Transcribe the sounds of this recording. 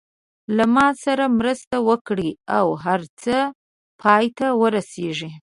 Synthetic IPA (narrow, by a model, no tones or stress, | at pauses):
lamɑsaɾamɾəst̪awəkɽiawɦaɾt͡sə | pʰɑjt̪awəɾaseʒi